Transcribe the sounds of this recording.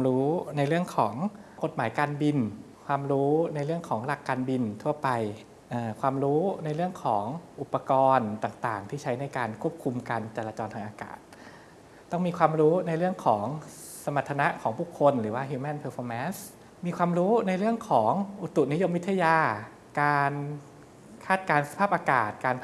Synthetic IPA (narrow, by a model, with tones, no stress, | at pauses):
ɾuː˦˥na˧jɾɯ˥˩əŋkʰɔː˩˦ŋko˨˩t̪̚maː˩˦jkaː˧nbi˧n | kʰwaː˧mɾuː˦˥na˧jɾɯ˥˩əŋkʰɔː˩˦ŋɾa˨˩kːaː˧nbi˧nt̪ʰu˥˩ɐpa˧j | ʔɤː˨˩kʰwaː˧mɾuː˦˥na˧jɾɯ˥˩əŋkʰɔː˩˦ŋʔu˨˩pːa˧kɔː˧nt̪aː˨˩ŋt̪aː˨˩ŋt̪ʰiː˥˩t͡ɕʰa˦˥jna˧jkaː˧nkʰu˥˩əp̚kʰu˧mkaː˧nt͡ɕaː˨˩laː˧t͡ɕɔː˧nt̪ʰaː˧ŋʔːka̰ː˨˩t̪̚ː | ɔ˥˩ŋmiː˧kʰwaː˧mɾuː˦˥na˧jɾɯ˥˩əŋkʰɔː˩˦ŋ | sa˧ma˨˩t̪ʰːa˧na˦˥ʔkʰɔː˩˦ŋpʰuː˥˩kʰːo˧nɾɯː˩˦waː˥˩ɦiː˧mɛ˥˩npʰɤː˧fʰɔː˧mɛː˦˥ns | miː˧kʰwaː˧mɾuː˦˥na˧jɾɯ˥˩əŋkʰɔː˩˦ŋʔu˨˩t̪ːu˨˩ni˦˥jo˧˥mwi˦˥t̪ʰːa˧jaː˧ | kaː˧n | kʰaː˥˩t̪̚kaː˧nsa˧pʰaː˥˩p̚ʔaː˧ka̰ː˨˩t̪̚kaː˧n